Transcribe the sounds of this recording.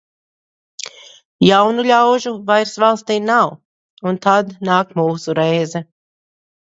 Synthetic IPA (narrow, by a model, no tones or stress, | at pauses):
jawnulʲawʒuvajɾsvalˠst̪iːnaw | unt̪ad̪naːkmuːsuɾɛjzɛ